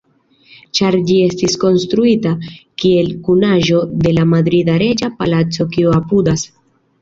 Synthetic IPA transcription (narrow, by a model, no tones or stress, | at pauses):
t͡ʃaɾd͡ʒie̞stisko̞nst̪ɾuitakie̞lkunaʒo̞de̞lamad̪ɾidaɾe̞d͡ʒapa̰lat͡so̞kiuapudas